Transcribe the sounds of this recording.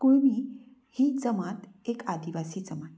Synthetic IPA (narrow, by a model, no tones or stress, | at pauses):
koɭmi | hid͡zəmat̪ | ekad̪iʋasiːd͡zəmat̪